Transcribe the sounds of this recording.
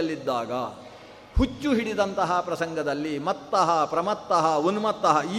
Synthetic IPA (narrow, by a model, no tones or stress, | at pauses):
ɐlːid̪ːaːɡɐ | hut͡ʃːuɦiɽid̪ɐnt̪ɐɦɐpɾɐsɐŋɡɐd̪ɐlːimɐt̪ːɐɦɐpɾɐmɐt̪ːɐɦɐonumɐt̪ːɐɦɐiː